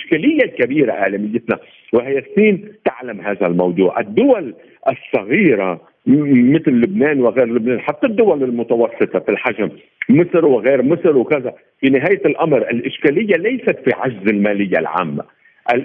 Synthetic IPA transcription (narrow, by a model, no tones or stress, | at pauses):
ʔɪʃkaːlɪjːalkabiːɾaʔa̰ʕlamɪjːɪt̪na | wɪɦajasːiːnt̪aʕlamɦaːðalmɑwd̪ˤuːʕʔɪd̪ːʊwal | ʔɪsˤːɑɣiːɾa | mɪt̪lːʊbneːnwɪɣeːɾlʊbneːnħat̪ːad̪ːʊwalɪlmʊt̪awɑsːɨt̪ˤɑfilħaʒm | mɪsɾwɪɣeːɾmɪsɾwkaza | finɪɦaːjlʔamɾʔɪlʔɪʃkaːlɪjːalajsat̪fiʕaʒzɪlmaːlɪjːa̰lʕa̰ːmːa̰ | ʔal